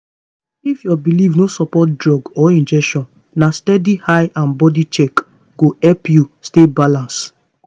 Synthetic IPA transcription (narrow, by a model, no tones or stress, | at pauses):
ifjɔbilivnosɔpɔt̚dɹɔɡɔĩnd͡ʒɛkʃɔ̃n | nastɛdihaɪʔãnbɔdit͡ʃɛk | ɡ̥oɛpjustebalãns